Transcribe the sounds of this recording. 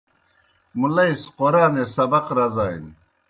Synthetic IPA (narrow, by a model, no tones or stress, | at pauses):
mulɐisqoɾaːnesɐbɐqɾɐzaːḭn